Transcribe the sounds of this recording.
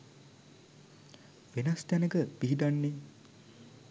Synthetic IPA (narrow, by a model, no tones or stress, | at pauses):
ʋenast̪janəkəpiɦiɖanːe